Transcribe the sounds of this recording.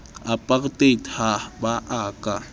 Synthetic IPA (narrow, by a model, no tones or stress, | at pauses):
apʼaktʼethabaʔaːkʼa